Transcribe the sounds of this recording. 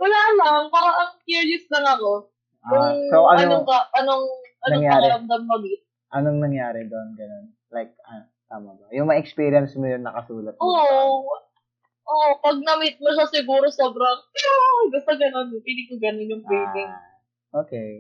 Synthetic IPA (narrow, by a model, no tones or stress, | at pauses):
wɐlaːlɐŋpaɾaʔɐŋkiɹjʊslɐŋɐko̞ | jʊŋoʔɐnɐonokɐʔɐnoŋʔɐnoŋjaːɐlɐmd̪ɐmːɐɡɪt̪̚ | ʔɐnoŋnɐŋjaːɾɛd̪onɡɐno̞n | lajk̚ɐn | t̪aːmɐbɐjʊŋmɐŋʔɛkspiːɾɪjɐnsmojʊnːɐkɐsuːlɐt̪̚ʔo | ʔopɐɡ̚nɐmɪt̪̚mɐʃasɪɡuːɾo̞so̞ːbɾɐŋɡʊst̪ɐɡɐno̞npiliɡ̚kʊɡɐnonjʊŋbiːdɪŋ | ʔoːkej